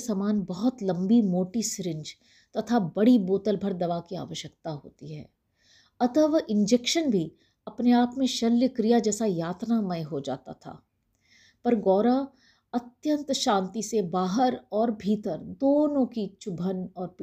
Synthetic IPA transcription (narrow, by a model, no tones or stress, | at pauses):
saːmaːnbɐɦʊt̪lɐ̃mbimoːʈisɾɪ̃ɲd͡ʒ | t̪ɐt̪ʰabɐɽiboːt̪əlbʱəɾd̪ɐʋakia̰ːʋəʃjəkt̪aɦo̰ːt̪iɦɛ̰ː | ɐt̪əʋɪ̃nd͡ʒekʃənbʱi | ɐpneaːpmẽʃɐljəkɾijad͡ʒɛːsajaːt̪namɐjɦod͡ʒa̰ːt̪a̰t̪ʰa̰ː | pɐɾɡɔːɾa | ɐt̪jə̃nt̪ʃãːnt̪isebaːɦəɾɔːɾbʱiːt̪əɾd̪oːnõkit͡ʃʊbʱənɔːɾp